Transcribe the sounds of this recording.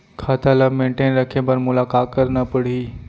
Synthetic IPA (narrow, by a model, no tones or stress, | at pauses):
kʰaːt̪ʰalamẽːɳʈeːnɾɐkʰebəɾmʊlaːkaːt̪̚kəɾnapəɽ̤iː